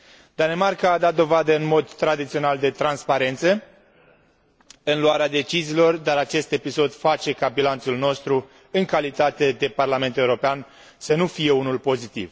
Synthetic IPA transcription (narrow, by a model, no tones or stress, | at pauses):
d̪ane̞markaːd̪at̪̚d̪o̞vad̪əɨnmo̞d̪t̪ɾad̪it̪sio̞nald̪e̞t̪ɾanspaɾe̞nt̪sə | ɨnluaɾead̪e̞t͡ʃiziːlo̞rd̪aɾat͡ʃe̞st̪e̞piso̞d̪fat͡ʃe̞kabilant̪sulno̞st̪ɾu | ɨŋkalit̪at̪e̞d̪e̞parlame̞nt̪ue̞uɾo̞pean | sənufije̞unulpo̞zit̪ḭv